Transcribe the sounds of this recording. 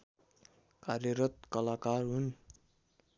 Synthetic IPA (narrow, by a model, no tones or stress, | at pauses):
karjʌɾʌt̪̚kʌlakarɦun